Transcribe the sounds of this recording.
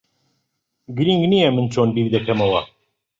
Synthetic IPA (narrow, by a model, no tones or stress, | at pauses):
ɡɨɾiŋɡnijɛmɨnt͡ʃʰoːnbiːɾd̪ɛkʰɐmɐwɐ